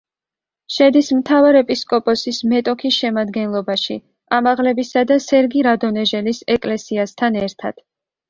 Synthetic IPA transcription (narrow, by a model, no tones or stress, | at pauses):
ʃɛd̪ismt̪ʰavaɾɛpʼiskʼɔpʼɔsismɛt̪ʼɔkʰisʃɛmad̪ɡɛnlˠɔbaʃi | amaʁlɛbisad̪asɛɾɡiɾad̪ɔnɛʒɛlisɛkʼlɛsiast̪ʰanɛɾt̪ʰa̰d̪̥